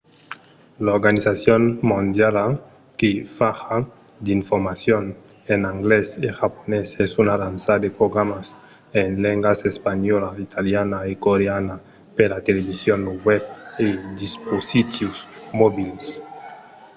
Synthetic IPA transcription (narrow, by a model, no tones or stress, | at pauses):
laoɾɡanisasjonmõnd̪jala | kefaxa | d̪iɱfoɾmasjon | enaŋɡleseʝaponesesunalansad̪epɾoɣɾamas | enleŋɡasespaɲolait̪ʰaljanaekoɾeana | pelat̪eleβisjonwɛbed̪isposit̪jusmobils